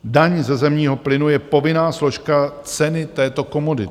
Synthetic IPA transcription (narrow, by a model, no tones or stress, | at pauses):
daɲzɛzɛmɲiːɦo̞plɪnujɛpo̞vɪnaːslo̞ʃkat͡sɛnɪt̪ɛːt̪o̞ko̞modɪ̰